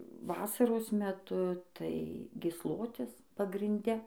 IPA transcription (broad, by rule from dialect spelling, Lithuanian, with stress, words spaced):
ˈʋɑːsɐroːs mʲɛˈtʊ tɐɪ ɡʲiːsˈlˠoːtʲɪs pɐɡrʲɪnʲˈdʲɛ